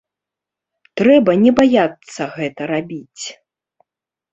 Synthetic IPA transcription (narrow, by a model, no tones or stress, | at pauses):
t̪ɾɛbɐnʲɛbajat̪sːɐɣɛt̪ɐɾabʲit͡sʲ